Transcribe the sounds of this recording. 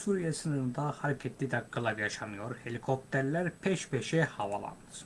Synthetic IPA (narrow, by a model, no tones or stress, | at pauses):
suɾijesɯnɯɾɯnd̪ahaɾcʰet̪ʰlʲid̪ɛɡɯlˠavjaʃɑnɯjo̞ɾhe̞lʲikʰo̞p̚t̪ʰeɾlʲæɾpʰeʃpʰeʃɛhɑvɑ̰lˠɑ̰nd̪ɯ